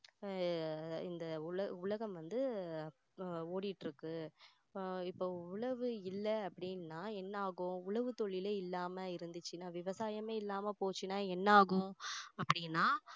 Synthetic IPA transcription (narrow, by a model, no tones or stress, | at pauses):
ɪnd̪ɐʊɭɐʊɭɐɣɐmʋɐnd̪ɯ | oːɽɪʈːɾɯkːɯ | ɪpːoːʊɭɐʋɯɪlːɐɐpːɐɽɪnnaːɛnːaːɣʊ̃ʊɭɐʋɯt̪ɔɭːɪleːɪlːaːmɐɪɾɯnd̪ɯt͡ʃːɯnaːʋɪʋɐsaːjɐmeːɪlːaːmɐpoːt͡ʃːɯnaːɛnːaːɣʊ̃ɐpːɐɽɪnːaː